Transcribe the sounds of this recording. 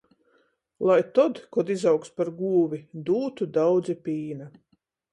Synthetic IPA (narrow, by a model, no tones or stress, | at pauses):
lˠajt̪ɔd̪kɔd̪izawkspaɾɡuːvʲid̪uːt̪ud̪awd̪zipʲiːna